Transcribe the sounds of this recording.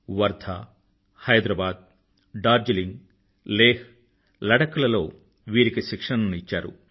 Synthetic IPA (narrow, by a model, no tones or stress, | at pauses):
ʋɐɾd̪ʱa | hɐjd̪ɾɐbaːd̪̚ | ɖaːɾd͡ʒiliŋɡ | leːh | lɐɽɐkulɐlo̞ː | ʋiːɾikiʃikʂɐɳɐnuit͡ʃːaːɾṵ